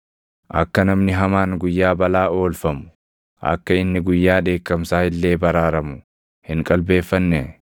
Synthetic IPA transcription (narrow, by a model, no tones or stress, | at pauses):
ʔɐ̰kːɐnɐmnɪɦɐmaːnɡʊjːaːbɐlaːo̞ːlfɐmʊ̥ | ʔɐ̰kːɐɪnːɪɡʊjːaːᶑe̞ːkːɐmsaːhɪlːe̞ːbɐɾaːɾɐmʊ | hɪŋkʼɐlbe̞ːfːɐnːɛ